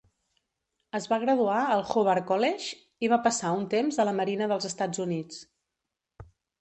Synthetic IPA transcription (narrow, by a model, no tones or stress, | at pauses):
əzβaɣ̞ɾəðuaəlˠxoβɛɾkɔlɛʃ | iβ̞apəsaunt̪emzələməɾinəðəlˠzəst̪ad͡zunit͡s